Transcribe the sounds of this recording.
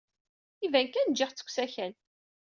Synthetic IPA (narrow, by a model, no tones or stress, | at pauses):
ivænkænd͡ʒiχt͡sːə̥kʷːsæçæl